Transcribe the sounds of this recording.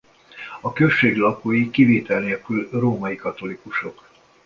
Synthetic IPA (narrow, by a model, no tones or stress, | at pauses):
ɒkø̞ʃːeːɡlɒkoːjikiveːt̪ɛlneːlkylroːmɒjikɒt̪o̞likuʃo̞k